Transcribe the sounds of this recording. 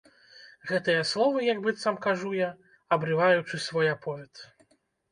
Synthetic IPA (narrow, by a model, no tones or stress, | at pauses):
ɣɛt̪ɨjɐslˠɔvɨjaɡbɨt̪samkaʐuja | ɐbɾɨvajut͡ʂɨsvɔjapʰɔvʲɛt̪